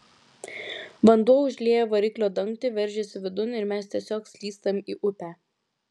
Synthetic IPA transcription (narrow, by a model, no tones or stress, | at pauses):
ʋɐnd̪uɔʊʒʲlʲeːjoʋɐɾʲɪklʲoːd̪ɐŋkt̪ʲɪʋʲɛɾʲˑʒʲɛsʲɪʋʲɪd̪ʊnɪɾmʲæst̪ʲiɛsʲoːksʲlʲiːst̪ɐmiːʔʊpʲæː